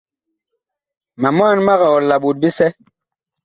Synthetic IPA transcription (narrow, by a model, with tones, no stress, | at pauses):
ma˨m˦a˦˨nma˦ɣa˨ɔ˨la˨ɓu˨t̚bi˦sɛ˦